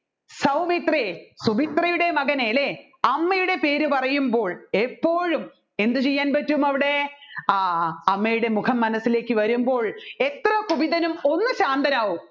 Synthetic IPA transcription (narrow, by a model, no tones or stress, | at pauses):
sɐwmit̪resubit̪rɐjuɽe̞mɐɣɐneːle | ɐmːɐjuɽe̞pe̞ːɾupɐrɐjumbo̞ːɭepːo̞ːɻum | e̞nd̪ɨt͡ɕejːaːnpɐtːumɐʋiɽe̞ | ɐmːɐjuɽe̞mukʰɐmːɐnɐsːile̞ːkːɨʋɐɾumbo̞ːɭe̞t̪rɐkubiðɐnumo̞nːɨɕaːnd̪ɐnaːʋum